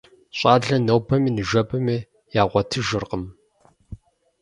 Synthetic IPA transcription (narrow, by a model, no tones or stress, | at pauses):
ɕʼɑːɮɐnɐwpʰɐmiːnɨʒɐpʰʼɨmiː | jaːʁʷɐtʰɨʒɨrqəm